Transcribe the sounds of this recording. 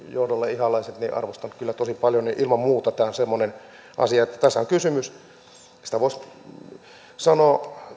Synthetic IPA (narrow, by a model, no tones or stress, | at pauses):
johdolːɑihɑlɑiset̪nḭʔɑ̰rʋost̪ɑntkylːæt̪osipɑljoniʔilmɑmmuːt̪ɑt̪æːonsemːonen | ʔɑ̰siɑet̪ːæ̥t̪æsːæoŋkysymys | si̥t̪æʋoˑis | sɑnoː